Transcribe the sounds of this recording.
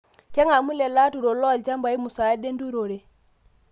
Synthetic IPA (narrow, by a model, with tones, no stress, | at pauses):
ke˦ŋa˨mu˦le˨la˦tu˨ɾo˨lo˦a˨ld͡ʒa˦mba˨i˦mu˨sa˨˦de˦ndu˦ɾo˨ɾe˨